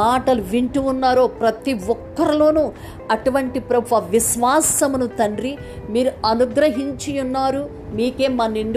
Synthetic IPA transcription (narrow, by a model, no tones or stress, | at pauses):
aːʈɐluʋiɳʈuunːaːɾo̞ːpɾɐt̪iʋɔkːɐɾilo̞ːnu | ɐʈuʋɐɳʈipɾɐbupɐʋiʃʋaːsɐmunut̪ɐɳɖɾi | miːɾuɐnuɡɾɐɦiɲt͡ʃijunːaːɾu | miːke̞ːmːaːniɳɖ